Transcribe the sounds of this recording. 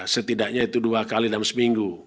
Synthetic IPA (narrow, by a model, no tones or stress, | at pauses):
sət̪idaʔɲait̪uduakalidalmsəmiŋɡu